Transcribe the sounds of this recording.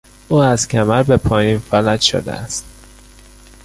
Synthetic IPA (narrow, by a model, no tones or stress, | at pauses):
ʔuːæzcʲʰæmæɾbepʰɒːjiːnfælæt̪ʃo̰d̪ḛʔæst̪